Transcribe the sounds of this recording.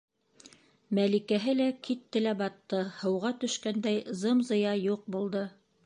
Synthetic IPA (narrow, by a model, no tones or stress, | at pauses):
mælikæɦɘlækit̪ːɘlæbɑt̪ːɤhɤ̆wʁɑt̪ɵ̆ʃkænd̪æjzɤmzɤ̆jɑjuq̚bulˠd̪ɤ